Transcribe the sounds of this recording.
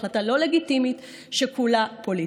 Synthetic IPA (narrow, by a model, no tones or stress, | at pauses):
latalo̞le̞ɡitimit̪ | ʃekulapoli